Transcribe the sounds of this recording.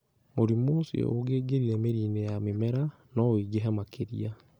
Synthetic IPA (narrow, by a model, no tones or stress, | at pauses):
moɾimosij̰oɡeːɡeɾiɾɛmeɾiːnejamemɛɾa | nɔwiɡeɦɛmakʰeɾḭa